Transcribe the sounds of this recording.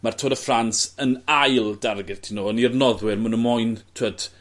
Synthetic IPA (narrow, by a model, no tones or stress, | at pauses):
martʰoːɾəfransənajlˠdarɡɪð̥tʰinoːənirnɔðwɪrmunənmʊjntʰwəd̥